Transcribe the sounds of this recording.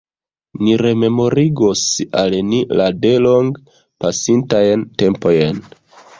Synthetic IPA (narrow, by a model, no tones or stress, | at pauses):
niɾe̞me̞mo̞ɾiɡosalnilade̞lo̞ŋɡ | pasintajnte̞mpo̞jen